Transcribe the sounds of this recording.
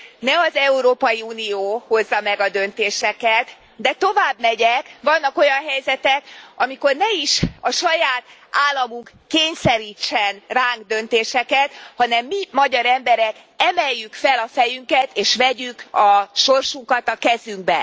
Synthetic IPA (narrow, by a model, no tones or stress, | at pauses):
nɛɒzɛuɾoːpɒjiuːnijoːho̞zːɒmɛɡɒd̪ø̞nt̪eːʃɛkɛt̪ | d̪ɛt̪o̞vaːbmɛɟɛkʋɒnːɒko̞jɒnɦɛjzɛt̪ɛkɒmiko̞rnɛiʃɒʃɒjaːt̪aːlːɒmuŋk | keːɲsɛɾiːt͡ʃːɛnraːŋɡd̪ønt̪eːʃɛkɛt̪hɒnɛmːimɒɟɒɾɛmbɛɾɛk | ɛmɛjːykfɛlɒfɛjyŋkɛt̪eːʃʋɛɟykɒʃo̞rʃuŋkɒt̪ɒkɛzyŋɡ̚bɛ̰